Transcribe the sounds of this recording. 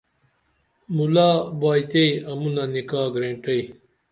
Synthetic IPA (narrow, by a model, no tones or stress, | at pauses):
mulaːbaːjt̪eiɐmunanikaːɡɾẽːɳʈɐi